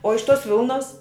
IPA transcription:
oː ɪʃ toːs ˈʋʲɪlˠnoːs

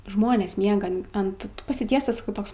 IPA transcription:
ˈʒmoːnʲeːs ˈmʲiɛɡɐ ɐnt pɐsʲɪˈtʲiɛstɐs ˈtoːks

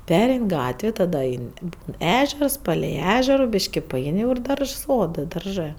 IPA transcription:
ˈpʲæːrʲɛɪnʲ ˈɡɑːtʲʋʲeː tɐˈdɐ ˈɐɪnʲ ɪ ˈbuːn ˈæːʒʲɛrs ˈpɑːlʲɛɪ ˈæːʒʲɛroː ˈbʲɪʃʲkʲɪ pɐˈɛɪnʲ jɛʊ ɪr ˈdɐrʃs ˈsoːdɜ dɐrˈʒɜ

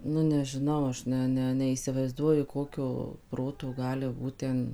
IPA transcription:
nʊ nʲɛʒʲɪˈnɐʊ ˈɐʃ ˈnʲɛ nʲɛ nʲɛiːsʲɪʋɐɪzˈduɔjʊ ˈkoːkʲoː ˈproːtoː ˈɡɑːlʲɪ ˈbuːt tʲɛn

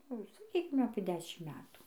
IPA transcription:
ˈnʊ sɐˈkʲiːkʲɪm ɐpʲeː ˈdʲæːʃʲɪm ˈmʲæːtuː

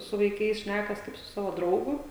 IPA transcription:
sʊ ʋɐɪˈkɐɪs ˈʃʲnʲækɐs ˈkɐɪp sʊ ˈsɑːʋoː ˈdrɐʊɡʊ

